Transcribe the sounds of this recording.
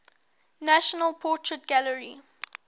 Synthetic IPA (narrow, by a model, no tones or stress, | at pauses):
næʃənəlpʰɔˑtʰɹət̚ɡ̥aləɹi